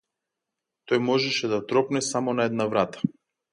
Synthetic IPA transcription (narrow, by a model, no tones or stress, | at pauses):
t̪ɔjmɔʒɛʃɛd̪at̪ɾɔpnɛsamɔnaɛd̪navɾat̪ḁ